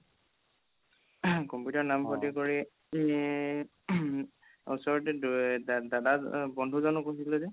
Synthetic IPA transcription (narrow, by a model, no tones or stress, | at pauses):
kɔmpjutɔɹnamkʰɔtikoɹi | usɔɹɔtɛ | dadabɔndʱuzɔnɔkːosilɛzɛ